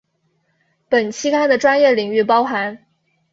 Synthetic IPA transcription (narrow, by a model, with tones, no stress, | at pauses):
pə˨˩nt͡ɕʰi˥kʰa˥ɪd̪ə˨ʈ͡ʂwa˥njɛ˥˩li˨˩ŋy˥˩pɑ˥ʊxa˧˥n